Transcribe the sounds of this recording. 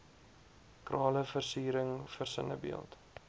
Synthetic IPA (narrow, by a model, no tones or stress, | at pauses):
krɑːləfərsiːɾəŋfərsənəbḭəlˠt